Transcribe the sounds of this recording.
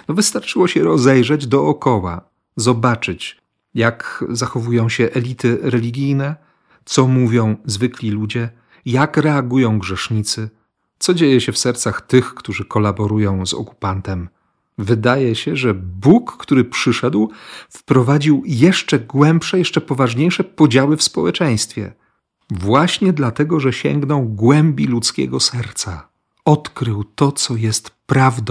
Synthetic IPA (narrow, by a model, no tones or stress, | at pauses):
nɔvɘst̪aɾt͡ʂɘwɔɕɛɾɔzɛjʐɛd͡ʑd̪ɔːkɔwa̰ | zɔbat͡ʂɘt͡ɕ | jakzaxɔvujɔ̃w̃ɕɛʔɛlʲit̪ɘɾɛlʲiɡʲijnɛ | t̪sɔmuvʲjɔ̃w̃zvɘklʲilud͡ʑɛ | jakɾɛaɡujɔ̃w̃ɡʐɛʂɲit̪sɘ | t̪sɔd͡ʑejɛɕɛfsɛɾt̪saxt̪ɘxkt̪uʐɘkɔlabɔɾujɔ̃w̃zɔ̰ku̥pant̪ɛm | vɘd̪ajɛɕɛʐɛbukːt̪uɾɘpʂɘʂɛd̪wfpɾɔvad͡ʑiwjɛʂt͡ʂɛɡwɛmpʂɛjɛʂt͡ʂɛpɔvaʐɲejʂɛpɔd͡ʑawɘfspɔwɛt͡ʂɛ̃j̃st̪fʲjɛ̰ | vwaɕɲɛd̪lat̪ɛɡɔʐɛɕɛ̰ŋɡnɔ̃w̃ɡwɛmbʲilut̪skʲɛ̰ɡɔsɛɾt̪sa | ɔt̪kɾɘwt̪ɔt̪sɔjɛst̪pɾavd̪